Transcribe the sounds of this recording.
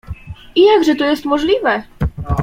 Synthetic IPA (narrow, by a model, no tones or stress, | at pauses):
ijaɡʐɛt̪ɔjɛst̪mɔʐlʲivɛ